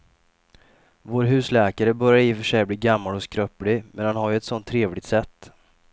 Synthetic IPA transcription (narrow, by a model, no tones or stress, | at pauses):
voːɾɦʉ̟ːslɛːkaɾəbœɾjaɾɪfœʂɛjbliːɡamːalɔskɾœplɪmɛnhanhaɾjɵɛt̪sɔnt̪ʰːɾeːvlɪɡ̚t̪sɛt̪ː